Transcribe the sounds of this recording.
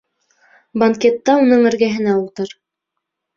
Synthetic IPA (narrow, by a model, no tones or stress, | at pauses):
bɐŋkʲet̪ːɑunɤɴɘ̆ɾɡæɦɘ̆næulˠt̪ɤɾ